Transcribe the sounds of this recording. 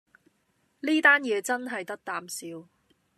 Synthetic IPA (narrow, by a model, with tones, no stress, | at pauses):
liː˥t̪aː˥njɛː˨˧t͡sɐ˥nɦɐ˨jt̪ɐ˥k̚t̪aː˨msiː˨˧w